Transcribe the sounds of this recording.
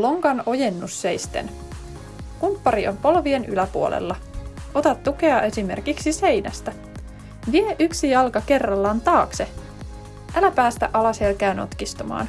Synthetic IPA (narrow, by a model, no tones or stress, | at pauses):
loŋkɑno̞jenːusːejst̪ḛn | kumpːɑɾio̞mpo̞lʋienʔy̰læpuo̰lḛlːɑʔo̞t̪ɑt̪ːuke̞ɑe̞sime̞rkiksise̞jnæ̰st̪æ | ʋieʔyksijɑlkɑke̞rːɑlːɑnt̪ɑːkse | ʔælæpæːst̪æ̰ʔɑlɑshelkæːno̞̰t̪kist̪umɑ̰ːn